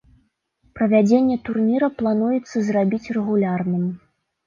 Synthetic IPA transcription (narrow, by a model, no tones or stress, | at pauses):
pɾɐvʲad͡zʲenʲːɛt̪urnʲiɾɐplˠanujɛt̪sːɐzrabʲit͡sʲrɛɣulʲarnɨm